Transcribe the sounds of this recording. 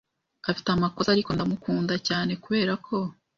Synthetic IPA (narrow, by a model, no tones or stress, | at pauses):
afi̥tamako̞zaɾiko̞ndamukuːndacaːne̞kuβe̞ːɾakʰo̞